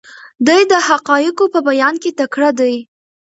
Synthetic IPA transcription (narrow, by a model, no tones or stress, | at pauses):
d̪ujd̪əhaqɑjɪkopəbajɑnket̪akɽad̪aj